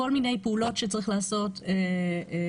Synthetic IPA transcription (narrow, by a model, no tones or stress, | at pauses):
o̞lmine̞jpeulo̞tʃet͡saʁiχlaːso̞te